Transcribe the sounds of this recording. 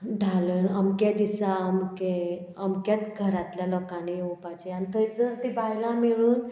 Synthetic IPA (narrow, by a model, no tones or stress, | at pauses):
ɖʱaləːnəmkjad̪isaəmke | əmkjat̪ɡʱəɾat̪ljalɔkanijũpat͡ɕeanit̪ʰəjd͡zəɾt̪ibʱajlãmiɭuːn